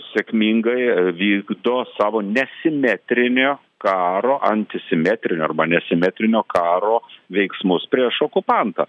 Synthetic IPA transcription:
sʲekmʲiːŋɡɐɪʋʲiːɡd̪oːsɑːʋoːnʲɛsʲɪmʲæːt̪ʲɾʲɪnʲoː | kɑːɾoːʔɐnʲt̪ʲɪsʲɪmʲæːt̪ʲɾʲɪnʲoːɐɾbɐnʲɛsʲɪmʲæːt̪ʲɾʲɪnʲoːkɑːɾoːʋʲɛɪksmʊspʲɾʲiɛʃoːkʊpɐnt̪ɐ̰ː

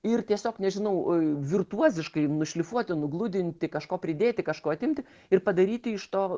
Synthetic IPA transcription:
ɪrt̪ʲiɛsʲoːknʲɛʒʲɪnɐʊʋʲɪrt̪uɔzʲɪʃkɐɪnʊʃʲlʲɪfuɔt̪ʲɪnʊɡlˠʊd̪ʲɪnʲt̪ʲɪkɐʃkoːpʲɾʲɪd̪ʲeːt̪ʲɪkɐʃkoːɐt̪ʲɪmʲt̪ʲɪ | ɪrpɐd̪ɐɾʲiːt̪ʲɪɪʃt̪oː

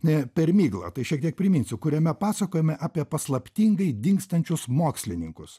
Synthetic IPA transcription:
nʲɛpʲɛɾmʲiːɡlˠɐ̰t̪ɐɪʃʲiɛk̚t̪ʲiɛk̚pʲɾʲɪmʲɪnʲsʲɪkʊɾʲɛmʲɛpɑːsɐkoːjɛmʲɛʔɑːpʲiɛpɐslˠɐpʲt̪ʲiŋɡɐɪd̪ʲɪŋkst̪ɐnʲt͡ʃʲʊsmoːksʲlʲɪnʲɪŋkʊs

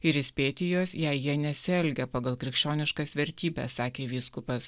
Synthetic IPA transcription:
ɪɾɪsʲpʲeːt̪ʲɪjoːsjɛɪjiɛnʲɛsʲɛlʲɡʲɛpɑːɡɐlˠkɾʲɪkʃʲt͡ʃʲoːnʲɪʃkɑsʋʲɛɾʲt̪ʲiːbʲɛ̰ssɑːkʲeːʋʲiːskʊpɐs

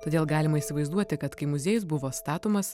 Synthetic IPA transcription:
t̪oːd̪ʲeːlˠɡɑːlʲɪmɐiːsʲɪʋɐɪzd̪uɔt̪ʲɪkɐt̪kɐɪmʊzʲeːjʊs̬bʊʋoːst̪ɑːt̪ʊmɐs

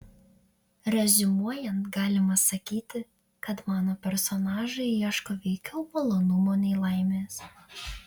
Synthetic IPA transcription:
ɾʲɛzʲɪmuɔjɛnt̪ɡɑːlʲɪmɐsɐkʲiːt̪ʲɪ | kɐt̪mɑːnoːpʲɛɾsɔnɑːʒɐɪiɛʃkoːʋʲɛɪkʲɛʊpɐlˠoːnʊmoːnʲɛɪlˠɐˑɪmʲeːs

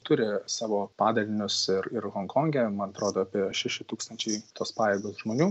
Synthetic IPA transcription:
t̪ʊɾʲɪsɑːʋoːpɑːd̪ɐlʲɪnʲʊsɪɾɪɾɣoːŋkoːŋʲɡʲɛmɐnɐt̪ɾoːd̪oːɐpʲiɛʃʲæʃʲɪt̪uːkst̪ɐnʲt͡ʃʲɛɪt̪ʰoːspɑːjeːɡoːsʒmoːnʲuː

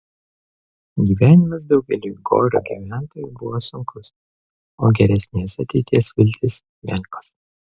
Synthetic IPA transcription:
ɡʲiːʋʲæːnʲɪmɐs̬d̪ɒʊɡʲɛlʲuːɡo̰ːɾʲṵːɡʲḭʋʲæˑnt̪oːjʊbʊʋosʊŋkʊs | oːɡʲɛɾʲɛsʲnʲeːsɐt̪ʲɛɪt̪ʲiɛsʋʲɪlʲt̪ʲɪs | ʋʲɛlʲkos

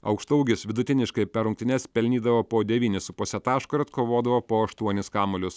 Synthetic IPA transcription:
ɐ̰ʊkʃt̪ɐʊɡʲɪsʋʲɪd̪ʊt̪ʲɪnʲɪʃkɐɪpʲɛɾʊŋkt̪ʲɪnʲɛspʲɛlʲnʲiːd̪ɐʋoːpoːd̪ʲɛʋʲiːnʲɪsʊpoːsʲɛt̪ɑːʃkʊɾʲɐt̪koːʋoːd̪ɐʋoːpoːɐʃt̪uɔnʲɪskɑːmolʲʊs

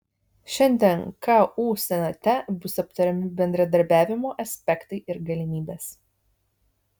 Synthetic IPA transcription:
ʃʲɛnʲd̪ʲɛnkɑːuːsʲɛnʲɐt̪ʲɛbʊsɐp̚t̪ɐɾʲɛmʲɪbʲɛnʲd̪ɾɐd̪ɐɾʲbʲæːʋʲɪmoːʔɐsʲpʲɛkt̪ɐɪʔɪɾɡɐlʲɪmʲiːbʲeːs

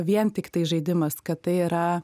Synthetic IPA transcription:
ʋʲiɛnt̪ʲɪkt̪ɐɪʒɐɪd̪ʲɪmɐskɐt̪t̪ɐɪiɾɐ

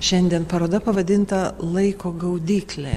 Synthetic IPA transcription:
ʃʲɛnʲd̪ʲiɛnpɐɾoːd̪ɐpɐʋɐd̪ʲɪnt̪ɐlˠɐɪkoːɡɐʊd̪ʲiːklʲe

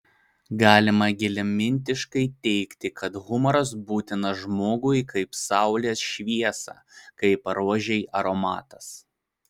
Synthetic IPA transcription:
ɡɑːlʲɪmɐɡʲɪlʲɛmʲɪnʲt̪ʲɪʃkɐɪt̪ʲɛɪkt̪ʲɪkʰɐt̪ɣʊmɔɾɐs̬buːt̪ʲɪnɐʒmoːɡʊɪkɐɪpsɑˑʊlʲeːsʃʲʋʲiɛsɑ̰ːkɐɪpɐɾuɔʒʲɛjɐɾɔmɑ̰ːt̪ɐs

